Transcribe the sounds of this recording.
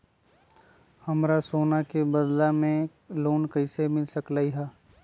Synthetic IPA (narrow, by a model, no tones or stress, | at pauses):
hɐmɾasoːnakebɐd̪lamẽ | loːnkɐɪsemɪlsɐklaːiɦɛː